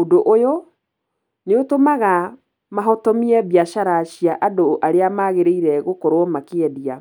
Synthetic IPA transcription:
odoʔojo | neotomaɣa | maɦɔtɔmiɛβjaʃaɾaɕiaʔadoʔaɾeamaːɣeɾeiɾɛɣokɔɾomakeɛdia

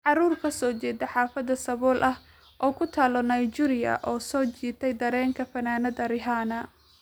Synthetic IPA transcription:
ʕɑruːrkʰɐsɔːt͡ʃɛːd̪ɐħɑːfɐd̪ɐsɐβɔːlʔɐh | ʔɔːkʰʊt̪ʰaːlɔnɐjd͡ʒiɾɪjɐ̰ʔɔːsɔːt͡ʃiːt̪ʰɛjd̪ɐɾɛːŋkʰɐfɐnaːnɐd̪ɐɾɪɦaːnɐ

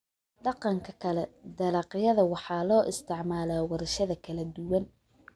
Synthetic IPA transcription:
ɖɑqɑŋkʰɐkʰɐlɛd̪ɐlɑqɪjɐðɐwɑħɑːlɔːʔɪst̪ʰɪʕmaːlaːwɐɾɐʃɐðɐkʰɐlɐd̪ʊwɐn

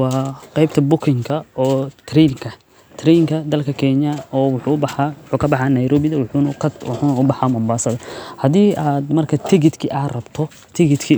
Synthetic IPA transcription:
wɑːqɛjb̚t̪ʰɐbʊkʰɪŋkʰɐɔːt̪ʰɾiŋkʰɐ | t̪ʰrɛŋkʰɐd̪ɐlkʰɐkʰɛɲjɐɔːwʊħuːʊbɑħɑʊħuːkʰɐbɑħɑːnɐjɾɔːbɪðɐwħunkʰɐwħuːnɐʊbɑħɑːmɐmbaːsɐðɐhɐðiːʔaːd̪mɐrkʰɐt̪ʰɪɣɪd̪kʰiʔaːrɐbt̪ʰɔ | t̪ʰɪɣɪd̪kʰi

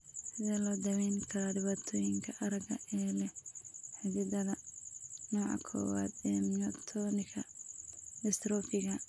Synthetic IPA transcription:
sɪðɛlɔːd̪ɐwɛjnkʰɐɾɐɖɪβaːt̪ʰɔːjɪŋkʰɐʔɐɾɐɡɐ̰ʔɛːlɛħɪd͡ʒɪd̪ɐðɐnɔːʕɑ̰kʰɔ̰ːwa̰ːd̪ɛːmnɐt̪ʰɔnɪkʰɐ | ɡɐst̪ɾɔːfɪɣɐ

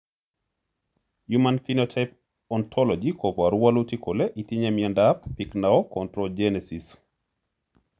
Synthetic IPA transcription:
jumanfinɔtʰajp | ɔntʰɔlɔd͡ʒikʰopaɾuwalutikʰoleʔitiɲemiɛndappiknaɔkɔntɾɔd͡ʒɛnɛsis

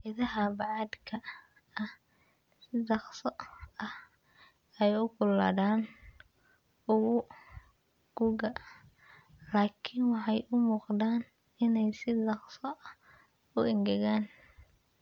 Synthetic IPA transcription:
ɪðɐɦɐbɑʕɑd̪kʰɐ | ɐh | sɪdɑqsɔɐh | ɛjʊkʰʊla̰ːðaːn | ʊɣʊ | ɡ̥uɣɐ | laːkʰɪnwɑħɑjʊmuːqd̪aːn | ɪnɛjsɪd̪ɑqsɔ | ʊɪŋɡɛɣaːn

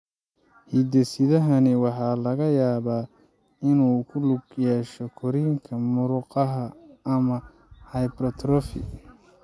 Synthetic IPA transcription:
hid̪ɛsɪðɐɦɐnɪwɑħɑːlɐɣɐjaːβaː | ɪnuːkʰʊlʊɡjɛːʃɔkʰɔɾiːŋkʰɐmʊɾʊqɑɦɐʔɐmɐ | hɑjbɾɔt̪ʰrɔfɪ̰

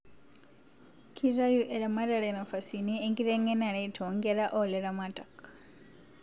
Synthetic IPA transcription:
kʰiɾajuʔeɾamaɾaɾenofasinieŋɡiɾeŋenaɾetʰoŋɡeɾaʔoleɾamatʼak

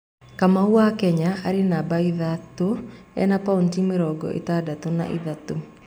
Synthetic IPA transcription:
kamawakɛɲaʔaɾenabaiðatoɛ̰napauntimeɾɔɡɔ̰ʔḛtadatona̰ʔḭðato

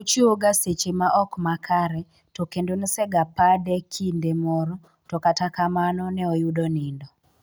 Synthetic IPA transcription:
ut͡ʃioɡaset͡ʃemaʔɔkmakʰaɾɛ | tɔkendonisɛɡapadɛkʰindemɔɾɔ | tɔkatakamanɔnɛɔjudɔnɪndɔ

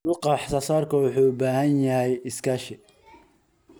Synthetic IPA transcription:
wʊqɑːħsɐsaːrkʰɐwʊħuːbaːhɐnjɐhɛjɪskʰaːʃɪ

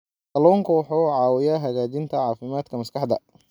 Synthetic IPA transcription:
kɐlɔːŋkʰʊwɑħuːʕɑːwɪjɐɦɐɣaːt͡ʃɪnt̪ʰɐʕɑːfɪmaːd̪kʰɐmɐskʰɑħd̪ɐ̰

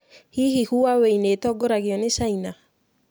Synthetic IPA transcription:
hiɦihuwaweinetɔɡoɾaɡɪɔnɪsaina

